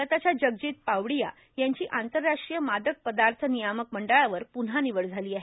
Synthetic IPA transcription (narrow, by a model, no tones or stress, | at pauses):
ət̪at͡ɕjad͡ʑəɡd͡ʑiːt̪̚paʋɽija | jaɲt͡ɕiːʔant̪əɾːaʂʈɾijəmad̪ək̚pəd̪aɾt̪ʰənijaməkməɳɖəɭaʋəɾpun̤ɦaniʋəɽd͡zʱaliːaɦe